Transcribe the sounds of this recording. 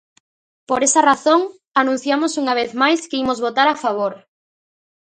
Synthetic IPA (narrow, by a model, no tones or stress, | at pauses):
poɾesɐraθoŋ | anũn̟θjamosuŋaβ̞eθmajskɪimozβot̪aɾafaβ̞oɾ